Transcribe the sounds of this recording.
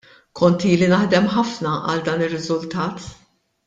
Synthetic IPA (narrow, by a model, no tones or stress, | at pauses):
kʰɔnt̪iːlinɐħd̪ɛmħɐfnɐʔɐ̰ld̪ɐːnɪrːɪzʊlt̪ɐːt̪